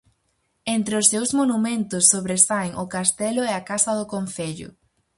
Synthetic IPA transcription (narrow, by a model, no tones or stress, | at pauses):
ent̪ɾeʊsːewzmonumẽnt̪ʊsːoβɾesajŋʔʊkast̪ɛlʊɛakasɐðʊkonθeʎʊ̰